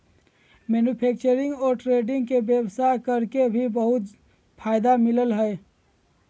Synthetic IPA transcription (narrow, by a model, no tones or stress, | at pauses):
menupʰek̚t͡ʃəɾiŋɡɔːɾʈɾeɖiŋɡkebjebsakəɾkebʱibəɦut̪ | pʰaɪd̪amiləlɦə